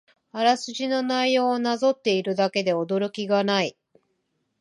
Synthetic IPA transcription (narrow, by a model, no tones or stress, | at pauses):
aɾasɨʑino̞naijo̞ːnazo̞t̪ːe̞iɾɯ̟d̪ake̞d̪e̞o̞d̪o̞ɾo̞kʲiɡanai